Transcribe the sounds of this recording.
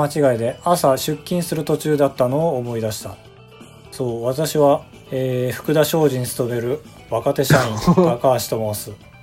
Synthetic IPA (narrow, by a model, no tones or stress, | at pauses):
at͡ɕiɡaid̪e̞asaɕɨkʲːĩɰ̃sɨɾɯ̟t̪o̞t͡ɕɨːd̪at̪ːano̞ːmo̞id̪aɕi̥t̪a | so̞ːβat̪aɕiβa | eːɸɯ̟̥kɯ̟d̪aɕo̞ːʑiɲ̟isɨ̥t̪obe̞ɾɯ̟ | βakat̪e̞ɕaĩakaːɕi̥t̪o̞moːsɨ